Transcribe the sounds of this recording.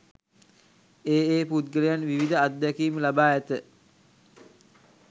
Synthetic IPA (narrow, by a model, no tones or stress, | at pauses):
eːeːput̪̚ɡəɾejanʋiʋid̪əad̪ːɛkiːməlabaːæt̪ə